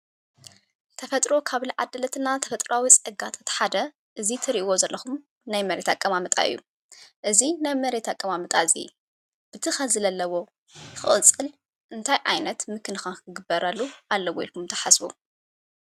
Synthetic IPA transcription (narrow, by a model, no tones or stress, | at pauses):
t̪ʰɐfɐt̪ʼɾo̞kʰaβliʕa̰d̪ɐlɐt̪ʰɨnat̪ʰɐfɐt̪ʼɾawit͡sʼɐɡat̪ʼɐt̪ʰħad̪ɐ | ʔɨzit̪ʰɨɾiʔwo̞zɐlːɐxum | najmɐɾet̪ʰakʼːɐmamɐt̪ʼa̰ɨ̰jːṵ | ʔɨzinajmɐɾet̪ʰakʼːɐmamɐt̪ʼazḭ | b̥ɨt̪ʰɨxɐzɨlɐlːɐwo̞ | jxɨʔʼɨt͡sʼːɨl | ʔɨnt̪ʰajʕa̰jnɐt̪mɨkʰɨnɨxakʰɨɡɨbːɐɾalːuʔalːɐwoḭlkʰumt̪ʰɐ̥ħasbṵ